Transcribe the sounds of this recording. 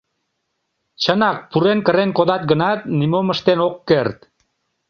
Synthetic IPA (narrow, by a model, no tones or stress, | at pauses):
t͡ɕənɑk̚puɾenkəɾenkoðɑt̪̚ɡənɑt̪̚nimoməʃt̪enokːert̪